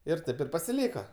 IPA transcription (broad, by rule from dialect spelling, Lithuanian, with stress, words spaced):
ɪr ˈtɐɪp ɪr pɐsʲɪˈlʲiːkɐ